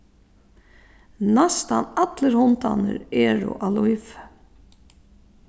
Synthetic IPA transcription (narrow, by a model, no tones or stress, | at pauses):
nast̪a̰nat̪ləɾhʊnt̪anə̰ɾɛːɾʊ̰ʔaluif